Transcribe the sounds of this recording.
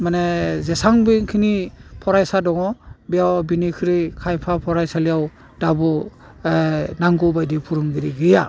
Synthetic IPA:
manezesaŋbɯŋkʰinipʰɔɾajsadɔŋɔbijawbinikʰɯɾikʰajpʰapʰɔɾajsalijaw | dabɔ | naŋɡɔbajdipʰuɾɯŋɡiɾiɡɯja

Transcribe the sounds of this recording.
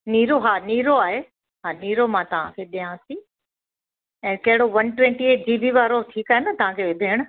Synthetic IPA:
niːɾoɦaːniːɾoaːɦe | ɦaːniːɾomãt̪ɐʋ̤ãkʰeɗiãːt̪ʰi | ɛ̃ːkɐɦɪɽoʋɐnʈʋɛ̃ːɳʈieːʈ̚d͡ʑiːbʱiʋaːɾoʈʰiːkaːɦenɐt̪ɐʋ̤ãkʰeʋeb̪ʱeːɪɽ̃ʊ

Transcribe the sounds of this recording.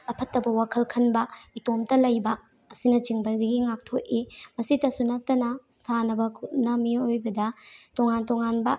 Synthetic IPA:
ɐpʰɐtːɐbɐwakʰɐlkʰɐnbɐitomtɐlɐjbɐː | sinɐt͡ʃiŋbɐdɐɡiŋak̚tʰoʔimɐsitɐsunɐtːɐnɐsʰanɐbɐkʰutnɐmiojbɐdɐtoŋantoŋanbɐ

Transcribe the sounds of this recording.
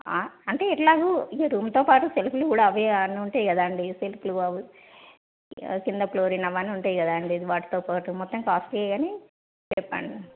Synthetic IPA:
aːɐɳʈe̞ːiʈlaːɡuieɾuːmt̪oːpaːʈuseluplukuːɽaːʋɐniuɳʈaːjikɐd̪aːɳɖiselupluɐʋu | kind̪ɐploːɾinɐʋaːniuɳʈaːjikɐd̪aːɐɳɖiɐd̪iʋaːʈːi̥t̪oːpaːʈumɔt̪ːɐmkaːsʈɐɡaːneː | t͡ʃɛpːa̰ːɳɖi

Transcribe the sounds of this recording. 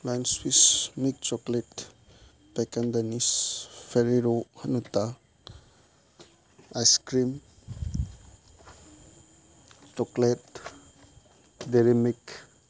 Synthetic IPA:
lajnswismik̚t͡ʃɔkleʈ | pekand̪anisfʰeɾiɾohanut̪a | ajskɾim | t͡ʃɔklet | deɾemik

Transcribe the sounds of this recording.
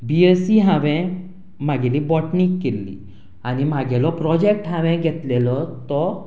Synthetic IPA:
biəsiɦãʋɛ̃ | m̤aɡelibɔʈnikːelːḭ | animaɡɛlɔpɾɔd͡ʑek̚ʈɦaʋɛ̃ɡʱɛt̪lelɔt̪ɔ

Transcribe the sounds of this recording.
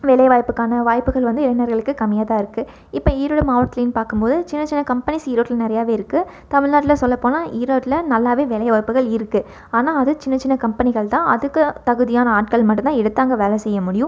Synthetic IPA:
ʋɛlɐjʋaːjpɯkːaːnɐʋaːjpːɯɣɐɭʋɐnd̪ɯɪlɐnɐɾɣɐɭɯkːɯkɐmɪjaːðaːɪɾɯkːɯ | ɪpːɐiːɾoːɽɐmɐːʋʈ̚klɐɪnpaːɾkɯmpoːðɯt͡ʃɪnːɐt͡ʃɪnːɐkɐmpɐnɪsiːɾoːʈɪlɐnɪɾɐjaːʋeːɪɾɯkːɯ | t̪ɐmɪɻnaːʈːɪlɐsɔlːɐpːoːnaːʔiːɾoːʈːɪlɐnɐlːaːʋeːʋɛlɐɪʋaːjpːɯɣɐɭɪɾɯkːɯ | aːnaːɐðɯt͡ʃɪnːɐt͡ʃɪnːɐkɐmpɐnɪɣɐɭt̪ãːʔɐðɯkːɯt̪ɐɣɯðɪjaːnɐaːʈ̚kɐɭmɐʈːɯnt̪ãːɛɽɯt̪ːaːŋɡɐʋeːlɐsɛjːɐmʊɽɪjʊ̃

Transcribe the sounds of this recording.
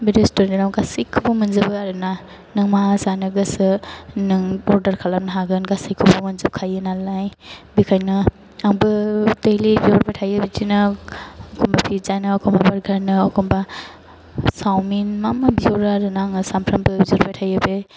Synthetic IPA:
biɾestuɾninawɡasikʰːɯbɐmɐnzɯbɯaɾɯna | nɯŋmasanɯɡɯsɯnɯŋbɔɾdɐɾkʰalamnɦaɡɯnɡasikʰːubɐmɐnzɯp̚kʰajɯnalajbikʰajnɯ | aŋbɯdelibizoɾbajtʰajɯbed͡ʒinɯː | kʰɔmbapʰizanɯːkʰɔmbabaɾɡʱaɾnɯːkʰɔmba | sawminmamabizoɾaaɾɯnaŋɯsampʰɾambɯbizoɾbatʰajɯbe

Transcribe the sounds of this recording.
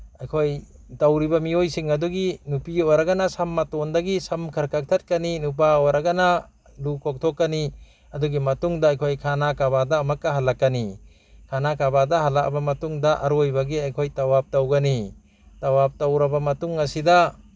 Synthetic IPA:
ajkʰoj | tawɾibamiojsiŋɐdɔɡinupioɾaɡanasamːatɔndaɡisamkʰɐɾkʰak̚tʰat̚kaninup̬aɔwɾaɡana | lukɔk̚tʰɔkːani | ɐdɔɡimɐtuŋdaːjkʰojkʰanakaβadaːmakːaɦalakːani | kʰanakabadahalak̚bamɐtuŋdaʔaɾojbaɡiajkʰojtawap̚tawɡani | tawap̚tawɾabamɐtuŋɐsida

